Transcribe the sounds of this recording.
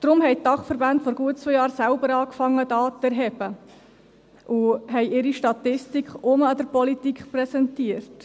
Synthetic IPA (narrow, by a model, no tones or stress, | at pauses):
d̪̥ɾʊmɦɛjtdɑχfəɾbantfɔɾɡuət̚t͡sʋœjɑːɾsæʊbəɾɑːkfɑŋːədɑːtɛɾɦɛb̥ə | ʔuɦɛjʔɪɾiʃtɑtɪstikχʊməɑd̥̪əɾpɔlitikχpɾɛsɛntiərt